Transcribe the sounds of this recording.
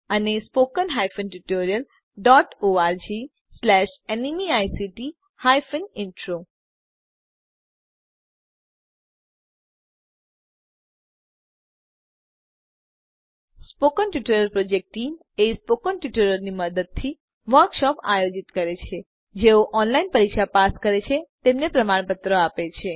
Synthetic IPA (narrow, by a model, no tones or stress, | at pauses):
ənespokənɦajfənʈuʈoɾijəl | ɖɔːʈoːaɾd͡ʒi | slɛʃenimiajsiʈi | hajfənɪɳʈɾo | spokənʈuʈəɾəɾpɾod͡ʒek̚ʈʈːim | espokənʈjuʈəɾəɾniməd̪əd̪̚t̪ʰi | ʋəɾkʃɔpa̰jod͡ʒit̪kəɾet͡ʃʰe | d͡ʒeoʔɔnlainpəɾikʃapaskəɾet͡ʃʰet̪emnepɾəmaɽ̃pət̪ɾəapet͡ʃʰe